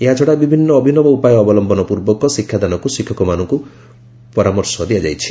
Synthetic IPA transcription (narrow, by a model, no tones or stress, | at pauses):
eɦad͡ʒʰɔɽabibʱinːɔːbʱinɔbɔupajɔːbɔlɔmbʱɔnɔpuɾbɔkɔsikʰːjad̪anɔkusikʰːɔkɔmanɔŋku | pɔɾamɔɾsɔd̪iad͡ʒa̰jt͡ʃʰi̥